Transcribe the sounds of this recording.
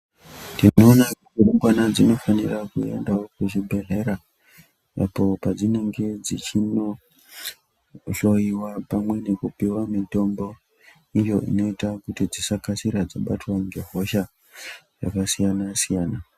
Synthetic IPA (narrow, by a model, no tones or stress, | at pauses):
dioːnakutiruŋɡwanad͡zino̞fanirakue̞̰ndawokuʒibʱe̞ɦe̞ɾa | a̰po̞pad͡zine̞ŋɡe̞d͡zit͡ʃino | ɬo̞iwapamwe̞ne̞kupiwamito̞mbo̞ | ijo̞ʔḭno̞itakutid͡zisakasiɾad͡zaɓa̰twaŋɡeɦo̞ʃa | jakasijanasijaːna